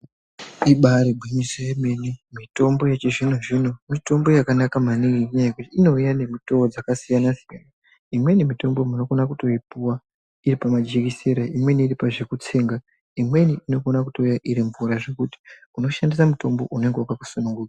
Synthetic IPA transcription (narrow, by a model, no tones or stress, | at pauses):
iɓaɾebʱiɲisojeme̞nimito̞mbo̞jet͡ʃeʐinoʐino̞mito̞mbo̞jakanakamaniŋɡiɲajekutiːno̞ujane̞mitood͡zakasijanasijana | imwe̞nimito̞mbo̞muno̞ko̞nakuto̞ipuwa | iripamad͡ʒikiseɾaimwe̞niːɾipaʐe̞kut͡se̞ːŋɡa | imwe̞niʔino̞ko̞nakuto̞ujaʔiɾiɱvuɾaʐe̞kuti̥ | uno̞ʃandisamuto̞mbo̞̰ʔune̞ŋɡewakaku̥sunuŋɡuːkḁ